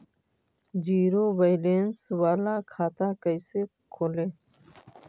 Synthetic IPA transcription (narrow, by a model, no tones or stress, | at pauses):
d͡ʒiːɾoːbəɪleːnsʋaːlaːkʰaːt̪aːkəɪseːkʰoːleː